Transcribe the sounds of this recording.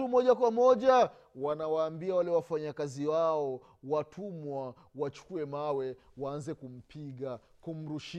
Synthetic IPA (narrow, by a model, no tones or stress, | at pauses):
umɔʄakwamɔʄa | wanawaːmbiawalɛwafaɲakaziwaɔ | watʰumwa | wat͡ʃu̥kuɛmawɛwaanzɛkum̩piɠa | kum̩ɾuʃ